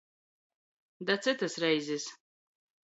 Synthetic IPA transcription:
dat͡sʰɨt̪ʰɨsrajzɨs

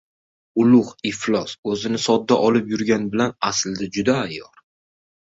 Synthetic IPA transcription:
ʊlʊhɪflˠɒsɵzɪnɪsɒd̪ːaʔɒlɪpjʊɾɡʲanbɪlanasɪld̪ad͡ʒʊd̪aːjɒɾ

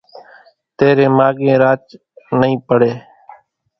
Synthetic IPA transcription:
t̪eːɾẽːmaːɠẽːɾaːt͡ʃ | nəĩːpəɽeː

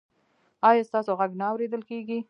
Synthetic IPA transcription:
ɑjɑst̪ɑsoɣaɡnaːwɾed̪əlkeɡi

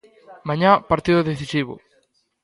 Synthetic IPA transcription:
mãɲãpaɾt̪iðʊðeθisiβʊ̰

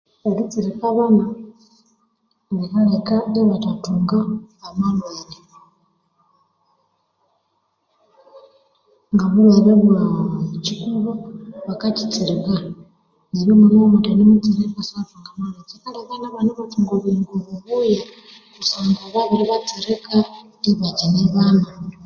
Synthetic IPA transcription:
βaɡit͡siɾikaβana | deβalekaneβatatuːŋɡaːmalwaːne | ŋɡaβuβaβaβuacikuβoβakaci̥t͡siɾika | neɾiomuɾimomutanimit͡siɾeβasatuŋɡamalwazekaːndiaβaːnaβanaβat͡siŋɡoβiːŋɡoβuβuːja | kusaːŋɡaβaβiɾiβat͡siɾekadiβaɟaneβaːna

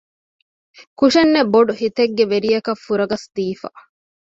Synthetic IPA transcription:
kuʂɐnːeboɖuhit̪eɡːeʋeɾijɐkɐfːuɾɐɡɐsd̪iːfa̰

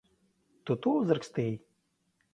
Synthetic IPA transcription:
t̪ut̪uzəɾkst̪ej

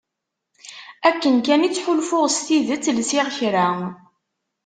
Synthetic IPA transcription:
ækːənkænit͡sːħʊlfʊʁst̪iðət͡sːlsɪʁçɾæ

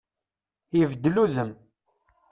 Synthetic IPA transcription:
jəvd̪ːluðəm

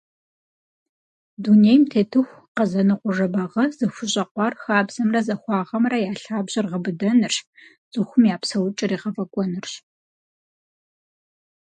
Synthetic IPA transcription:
dunejmtʰeːtʰɨxʷ | qɐzɐnɨqʷʊʐɐbɐʁɐzɨxʷʊɕʼɐqʷɑːrxaːbzɐmrɐzɐxʷɑːʁɐmrɐjaːɬaːbʑɪrʁɐbɨdɐnɨr | z̥ɨxʷʊmjaːpsɐwʊt͡ʃʼɪriːʁɐfʼɐkʷʼɔnɨrɕ

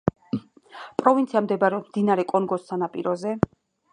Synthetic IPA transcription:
pʼɾɔvint̪sʰiamd̪ɛbaɾɛɔd̪md̪inaɾɛkʼɔŋɡɔsːanapʼḭɾɔzɛ

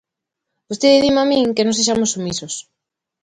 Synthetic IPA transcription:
bost̪eðeðimamĩŋkenõŋseʃ̬amʊsːumisʊs

